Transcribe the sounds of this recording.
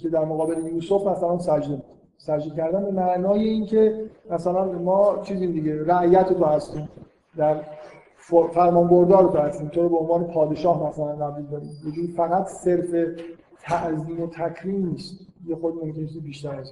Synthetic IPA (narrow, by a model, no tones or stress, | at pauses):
kʰe̞d̪æɾmoɣɒːbeleniusoft̪mæsælænsæd͡ʒd̪ebud̪ | sæd͡ʒd̪ecʰæɾd̪ænbe̞mæʔnɒːjeiːncʰe̞mæsælænmɒːt͡ʃʰiːziːmd̪iɟe̞ɾæʔjæt̪ʰot̪ohæst̪iːm | d̪æɾ | fofæɾmɒːnboɾd̪ɒːɾod̪ohæst̪iːmt̪ʰoɾobeonvɒːne̞pʰɒːd̪eʃɒːhmæsælænɡæblid̪ɒːɾḭːmjed͡ʒuːd̪ifæɣæt̪ʰse̞ɾfe̞ | t̪ʰæʔziːno̞t̪ʰækʰɾiːmniːst̪jexod̪imo̞mcʰʲenet͡ʃʰiːzibiːʃt̪æɾhæs